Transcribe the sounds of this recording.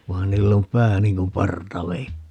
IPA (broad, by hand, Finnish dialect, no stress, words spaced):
ʋɑːn niːlː om pæː niŋ kum pɑrtɑʋeitːi